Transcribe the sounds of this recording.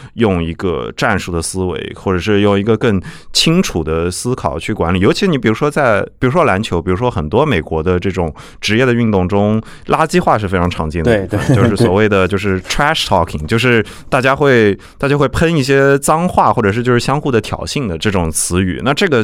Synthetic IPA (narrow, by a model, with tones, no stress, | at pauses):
jʊ˥˧ŋi˧˥ɡə̰˧ʈ͡ʂa˥˧nʂu˥˩d̪ə˩sɹ̩˥wḛ˧˥ɪxwɔ˥˩ʈ͡ʂɤ˨˩ʂɻ̩˥˧jʊ˥˩ŋi˧˥ɡə˧kɤ˥˩ŋt͡ɕʰi˥ŋʈ͡ʂʰu˨˩d̪ə˦sɹ̩˥kʰɑ˨˩ʊt͡ɕʰy˥˩kwa˧˥nli˨˩jo˧˥ʊi˧ʂɻ̩˥ni˧˥p̬i˨˩ɻu˧˥ʂwɔ˥t͡sa˥˩ɪpi˨˩ɻu˧˥ʂwɔ˥la˧˥nt͡ɕʰjo˧˥ʊpi˨˩ɻu˧˥ʂwɔ˥xə˨˩nt̪wɔ˥me˨˩ɪkwɔ˧˥d̪ə˧ʈ͡ʂɤ˥˩ʈ͡ʂʊ˨˩˦ŋ | ʈ͡ʂɻ̩˧˥jɛ˥˩d̪ə˩y˥˧nt̪ʊ˥˩ŋʈ͡ʂʊ˥ŋ | la˥t͡ɕi˥xwa˥˧ʂɻ̩˥˩fe˥ɪʈ͡ʂʰɑ˧˥ŋʈ͡ʂʰɑ˧˥ŋt͡ɕɛ˥˩n˧˥˧ə˥˩˦t͡ɕjʂʂɻ̩˥˩swɔ˨˩we˥˩ɪd̪ə˩t͡ɕjo˥˧ʂɻ̩˥˩ʈ͡ʂʰɹa˥ʂt̪ʰɑ˥˩kʰi˨˩ŋt͡ɕjo˥˧ʊʂ̬ɻ̩˥˧ | t̪a˥˩t͡ɕja˥xwe˥˩ɪt̪a˥˩t͡ɕja˥xwe˥˩ɪpʰə˥ni˥˩ɕjɛ˥t͡sɑ˥ŋxwa˥˩xwɔ˥˩ʈ͡ʂɤ˨˩ʂɻ̩˥˧t͡ɕjo˥˧ʊʂɻ̩˥˩ɕjɑ˥ŋxu˥˩d̪ə˩t̪ʰjɑ̰˨˩ʊɕi˥˩ŋd̪ə˩ʈ͡ʂɤ˥˩ʈ͡ʂʊ˨˩ŋt͡sʰɹ̩˧˥y̰˨˩˦na˥˧ʈ͡ʂɤ˥˩ɡə˩